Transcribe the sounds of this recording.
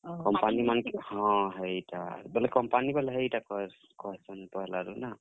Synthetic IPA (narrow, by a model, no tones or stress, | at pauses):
kɔmpanimanhɔ̃ɦɛjta̰bɛlɛkɔmpanibalɛɦɛitakɔ | kɔɦɛsɔnpɔɛlaɾuna